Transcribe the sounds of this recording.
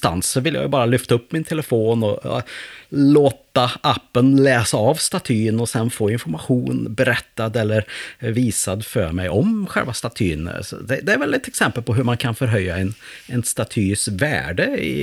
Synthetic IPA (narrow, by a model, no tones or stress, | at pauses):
st̪a̰nsːɔvɪlja̰jɵbɑːɾalʏft̪aɵpːmɪnt̪ʰɛləfoːnɔ | loːt̪aʔapːənlɛːsaːvst̪at̪ʰyːnɔsɛnfoːɪnfɔɾmaɧuːnbɛɾɛt̪ːad̪ɛlːəɾviːsad̪fœ̰ːɾmɛjɔmɧɛ̰lvast̪at̪ʰy̰ːnsɔ̰d̪ɛd̪ɛæɾvɛlɛt̪ɛksɛmpəlpʰɔɦɵɾmankʰanfœɾɦœjːaɛnɛnst̪at̪ʰyːsvæ̰ːɖəɪ̰